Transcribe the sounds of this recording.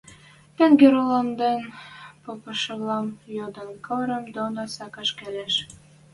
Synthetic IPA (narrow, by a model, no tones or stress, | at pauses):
t̪æŋɡʲeɾolɑmd̪enpopɤ̆ʃɤ̆βlˠɑmjod̪ɤ̆nkɤɾɤ̆md̪onɑsɑkɑʃkæleʃ